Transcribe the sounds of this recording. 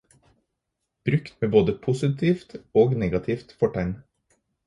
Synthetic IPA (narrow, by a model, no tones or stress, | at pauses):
b̥ɾʉkt̪meːboːd̪əpʰʊsɪt̪ʰiːft̪oːɡneːɡɑt̪ʰɪːft̪fɔʈʰæn